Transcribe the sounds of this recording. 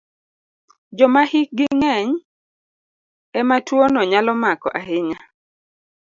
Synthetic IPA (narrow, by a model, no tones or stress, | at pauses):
d͡ʒɔmahɪk̚ɡɪŋɛɲ | ɛmatwonɔɲalɔmakɔ̰ʔaɦɪɲa